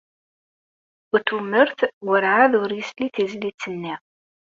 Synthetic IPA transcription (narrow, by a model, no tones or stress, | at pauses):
ʊt̪umːəɾθwəɾʕaðʊɾjəsliθizlit͡sːənːiʁ